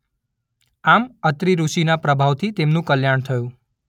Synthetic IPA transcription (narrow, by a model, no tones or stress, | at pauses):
amət̪ɾiɾuʃinapɾəbʱaʋt̪ʰit̪emnũkəljaɳ̃t̪ʰəjũ